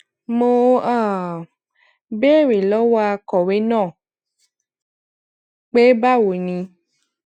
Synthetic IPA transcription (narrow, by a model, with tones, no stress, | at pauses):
mo˧a˦˨ | be˦˨ɾe˨lɔ˨˦wa˧kɔ˨we˨˦nãː˦˨ | k͡pe˦ba˦˨wo˨nĩ˧